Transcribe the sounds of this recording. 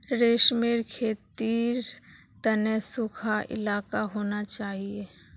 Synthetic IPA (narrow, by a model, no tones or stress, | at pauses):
ɾeːʃmeːɾkʰeːt̪iːɾ | t̪ənɛsʊkʰaʔɪ̰laːkaɦoːnat͡ʃaːɦie